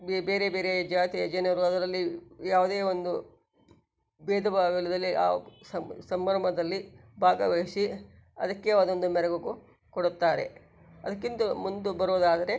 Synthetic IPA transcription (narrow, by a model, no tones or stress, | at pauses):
bbeːɾebeːɾed͡ʒaːt̪iɐd͡ʒɐnɐɾuɐd̪ɐɾɐlːijaːʋud̪eːond̪u | beːd̪ɐbaːʋilɐd̪ɐlːiʔa̰ːsɐsɐmːɐɾɐmɐd̪ɐlːibʱaːɡɐʋeːsiɐd̪ɐkːe̞ɐd̪o̞nd̪umɛɾɐɡuɡu | koɽut̪ːaːɾe̞̰ | ɐd̪ɐkːint̪ɐmund̪ubɐɾoːd̪aːd̪ɐɾe̞